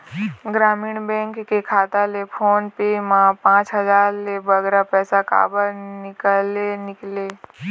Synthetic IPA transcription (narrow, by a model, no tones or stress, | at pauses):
ɡɾaːmiːɽbɛ̃ːŋkːekʰaːt̪alepʰoːnpemãpãːt͡ʃɦəd͡ʒaːɾlebəɡɾapɛːsaka̰ːbəɾnɪkəlenɪkle